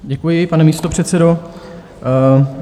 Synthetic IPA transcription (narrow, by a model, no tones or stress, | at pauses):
ɟɛkujɪpanɛmiːst̪opr̝̥ɛt̪sɛdo̞